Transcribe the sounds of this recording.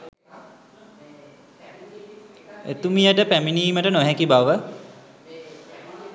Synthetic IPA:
ḛt̪umijəʈəpæminiːməʈənoɦɛkibaʋə

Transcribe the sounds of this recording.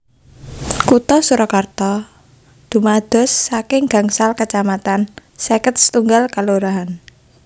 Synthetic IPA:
kut̪ɔsuɾɔkart̪ɔ | d̪̥ṳmad̪̥ɔ̤sːakɪŋɡa̤ŋsalkət͡ʃamat̪ansekət̪̚sə̥t̪uŋɡalkaluɾaɦan

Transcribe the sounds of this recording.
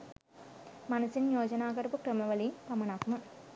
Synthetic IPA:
mɐnɐsinjoːd͡ʒɐnaːɡɐɾpukɾɐmɐʋɐlipɐmɐnaːkumɐ

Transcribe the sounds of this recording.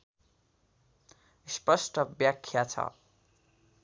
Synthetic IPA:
spʌsʈʌbjakʰːjat͡sʰʌ̰

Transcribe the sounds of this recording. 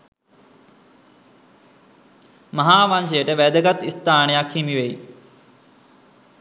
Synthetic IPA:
mɐɦaːʋaːnseːʈeʋɛːd̪kət̪ɪst̪aːɳ̃jaːkʰimiʋei

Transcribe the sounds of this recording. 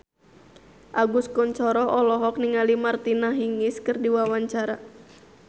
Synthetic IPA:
ʔaɡuskɔɲt͡ʃɔɾɔʔɔlɔɦɔk̚niŋalimart̪inaɦiŋiskɨrdiwawaɲt͡ʃaɾa

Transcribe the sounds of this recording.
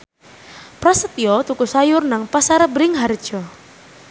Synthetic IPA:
pɾasət̪jɔt̪ukusajʊrnaŋpasaɾəbɾɪŋɦard̥ʒ̥ɔ

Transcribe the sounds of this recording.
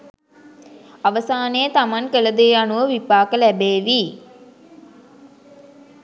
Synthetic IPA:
aʋəsaːnejət̪amaŋkələd̪eːanuʋəʋipaːkəlæbeːʋiː

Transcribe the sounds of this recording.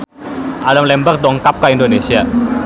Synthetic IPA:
ʔalamlɛmbərk̚dɔŋkap̚kaindonesia

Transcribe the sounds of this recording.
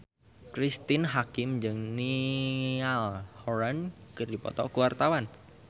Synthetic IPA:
kɾist̪ɪnɦakɪmd͡ʒɨŋni | alhɔɾankɨrdipɔ̰t̪ɔkuwart̪awan

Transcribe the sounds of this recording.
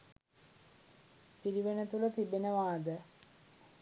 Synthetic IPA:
piɾiʋenət̪ulət̪ibenəʋaːd̪ə

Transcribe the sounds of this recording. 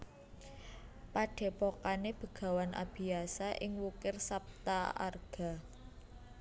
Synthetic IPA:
paɖ̥e̤pokaneb̥ə̤ɡ̥a̤wanʔa̰b̥i̤asaʔɪŋwukɪrsap̚t̪aa̰rɡ̥a̤

